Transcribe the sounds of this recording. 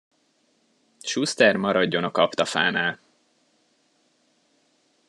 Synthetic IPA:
ʃust̪ɛrmɒɾɒɟːo̞nɒkɒpt̪ɒfa̰ːnaːl

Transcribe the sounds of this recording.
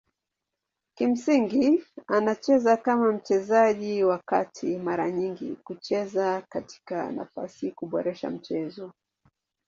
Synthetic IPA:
kim̩siŋɡianat͡ʃɛzakamam̩t͡ʃɛzaʄiwakatʰimaɾaɲiŋɡḭkut͡ʃɛzakati̥ka̰na̰fa̰sikuɓɔɾɛʃa̰m̩t͡ʃɛzɔ

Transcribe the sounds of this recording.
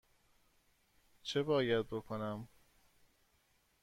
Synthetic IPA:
t͡ʃʰebɒːjæd̪̚bo̞kʰo̞næm

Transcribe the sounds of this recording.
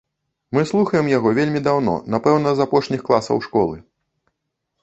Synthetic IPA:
mɨslˠuxɐjɛmjaɣɔvʲelʲmʲid̪awnɔ̰napɛwnɐzapɔʂnʲixklˠasɐ̰wʂkɔlˠɨ̰

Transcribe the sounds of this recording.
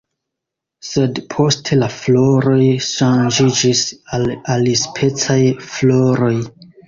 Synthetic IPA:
sedpʰo̞stʰelaflo̞ɾo̞jʃand͡ʒid͡ʒisalalispʰe̞t͡sajfloɾo̞j

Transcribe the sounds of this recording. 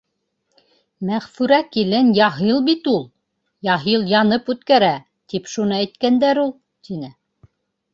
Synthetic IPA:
mæʁfʉɾækilɘnjɑɦɤlˠbit̪ulˠ | jɑɦɤlˠjɑnɤpʉt̪kæɾæ | t̪ipʃunɤæjt̪kænd̪æɾulˠ | t̪inɘ

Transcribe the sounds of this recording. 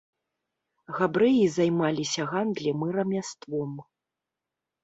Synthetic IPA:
ɣabɾɨjizajmalʲisʲɐɣand̪lʲimɨɾɐmʲast̪vɔm

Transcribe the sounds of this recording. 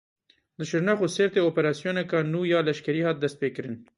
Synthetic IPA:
d̪əʃɪɾnaxoseɾt̪eopeɾɑsijonakɑnujɑlaʃkaɾihat̪̚d̪aspekɾɪn

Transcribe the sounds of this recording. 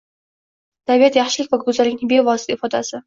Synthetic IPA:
t̪ʰabijat̪jaχʃɪlɪkʲvakʰɵzalɪkʲnɪŋbevɒsɪ̥t̪ʰaɪfɒd̪a̰sɪ

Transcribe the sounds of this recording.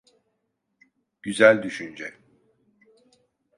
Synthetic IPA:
ɟ̥yzælʲd̪yʃynd͡ʒɛ

